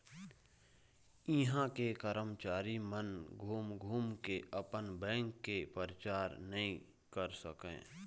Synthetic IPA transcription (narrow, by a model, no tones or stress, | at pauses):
iɦãkekəɾəmt͡ʃaːɾimənɡʱuːmɡʱuːmkeʔəpənbɛ̃ːŋkːepəɾt͡ʃaːɾnəɦĩ | kəɾsəkḛ̃ː